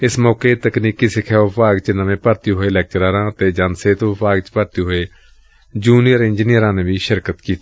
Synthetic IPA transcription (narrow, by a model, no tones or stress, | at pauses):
ɪsmɔːkeːt̪əkniːkiːsɪkʰɛːʋəpʰaːɡt͡ʃnəmẽːpəɾt̪iːɦoeːlɛːk̚t͡ʃɾaːɾãːət̪eːd͡ʒənseːt̪opaːɡt͡ʃpəɾt̪iːɦoeː | d͡ʒuːniəɾɪ̃nd͡ʒnijəɾãːneːʋiːʃɪɾkət̪kiːt̪iː